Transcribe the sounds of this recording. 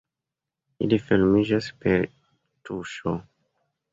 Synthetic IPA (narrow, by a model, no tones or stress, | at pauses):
ilifilmid͡ʒaspeɾ | tuʃo